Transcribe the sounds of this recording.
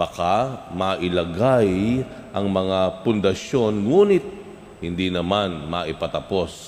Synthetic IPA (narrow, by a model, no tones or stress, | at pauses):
bɐkamɐʔɪlɐɡaj | ʔɐŋmɐŋapʊnd̪ɐʃo̞nŋuːnɪt̪̚ | hɪnd̪inɐmanmɐʔɪpɐt̪ɐpo̞s